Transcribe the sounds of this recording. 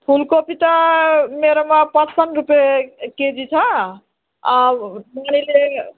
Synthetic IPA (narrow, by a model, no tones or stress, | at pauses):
pʰulkopit̪ameɾomapə̃t͡ʃsənɾupjeked͡ʒit͡ʃʰə | amanile